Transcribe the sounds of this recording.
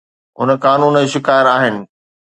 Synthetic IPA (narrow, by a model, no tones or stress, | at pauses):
ɦʊnkaːnuːnʃɪkaːjəɾaːɦɪnɪ̆